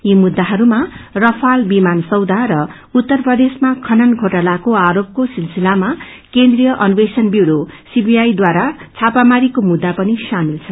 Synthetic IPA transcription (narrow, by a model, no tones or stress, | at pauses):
jimud̪ːaɦʌɾumarʌpʰalbimansʌwd̪ʱaɾʌ | ut̪ːʌrprʌd̪esmakʰʌnʌnɡʱoʈalakoaɾop̚kosilsilama | kend̪rijʌʔʌnubesʌnbjuwɾosibijajd̪waɾat͡sʰapamaɾikomud̪ːapʌnisamilt͡sʰʌn